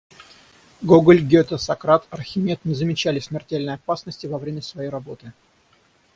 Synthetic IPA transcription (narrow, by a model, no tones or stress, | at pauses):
ɡoɡəlʲɡʲeot̪əsɐkɾat̪ɐrxʲɪmʲet̪nʲɪzəmʲɪt͡ɕælʲɪsʲmʲɪrtʲelʲnəjɐpasnəsʲtʲɪvɐvɾʲemʲəsvɐjejrɐbo̞t̪ɨ